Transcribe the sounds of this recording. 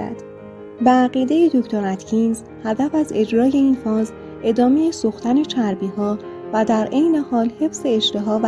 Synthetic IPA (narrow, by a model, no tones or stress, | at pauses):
æ̰d̪̥ | beæɣiːd̪e̞jed̪oct̪ʰoɾæt̪ʰcʰinz | hæd̪æfæze̞d͡ʒɾɒːje̞iːnfɒːz | ʔe̞d̪ɒːme̞jesuxt̪æne̞t͡ʃʰæɾbiːhɒː | væd̪æɾʔejne̞hɒːlhe̞fse̞ːʃt̪e̞ɦɒːv